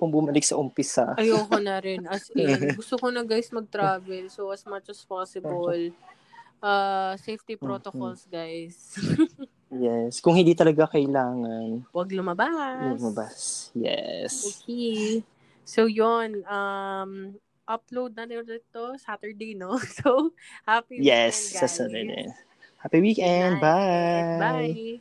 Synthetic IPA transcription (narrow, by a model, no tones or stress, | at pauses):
pʊŋbʊmɐlɪɡ̚sɐʔʊmpɪsaʔɐjoːkonɐɾɪnʔɐsɛnɡʊst̪okonɐɡajsmɐɡ̚t̪ɾaːvɛlsowɐsmɐt͡ʃɐspasɪbl | ʔasejft̪ipɾot̪okolsɡajs | jɛskʊŋhɪ̃nd̪iːt̪ɐlɐɡakɐʔɪlaːŋɐnwɐɡlʊmɐbalɐɡmɐbasjɛ̰soki | sowjonʔɐm | ʔɐplowd̪̚nɐnjoɾɛt̪osat̪ɛ˞d̪ejnosowhapijɛsasat̪ɛ˞d̪ḛ | hapiwikɛnd̪̚babajj